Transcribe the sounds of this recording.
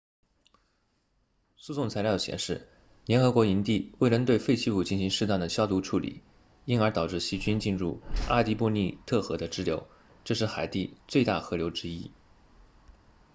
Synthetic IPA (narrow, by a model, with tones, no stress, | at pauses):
su˥˧sʊ˥˩ŋt͡sʰa˧˥ɪljɑ˥˩ɕjɛ̰˨˩nʂɻ̩˥˩ | ljɛ˧˥nxɤ˧˥kwɔ˧˥i˧˥nt̪i˥˩we˥˩ɪlə˧˥nt̪we˥˧ɪfe˥˧ɪt͡ɕʰi˥pu˧˥˩t͡ɕi˥˩nɕi˧˥ŋʂɻ̩˥˧t̪a˥˩nd̪ə˩ɕjɑ˥ʊt̪u˥˩ʈ͡ʂʰu˥˩lḭ˨˩˦ | i˥nə˞˧˥t̪ɑ˨˩ʊʈ͡ʂɻ̩˥˩ɕi˧˥t͡ɕy˥nt͡ɕi˥˧nɻu˥˩a˥˩t̪i˥pɔ˥˧ni˥˧t̪ʰɤ˥˩xɤ˧˥d̪ə˧ʈ͡ʂɻ̩˥ljo˧˥ʊ | ʈ͡ʂɤ˥˧ʂɻ̩˥˩xa˨˩ɪt̪i˥˧t͡swe˥˧ɪt̪a˥˩xɤ˧˥ljo˧˥ʊʈ͡ʂɻ̩˥i˥